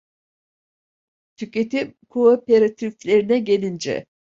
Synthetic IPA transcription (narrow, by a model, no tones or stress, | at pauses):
t̪ʰycʲe̞t̪imkʰoopeɾat̪ʰiflʲe̞ɾinɛɟelʲind͡ʒɛ̰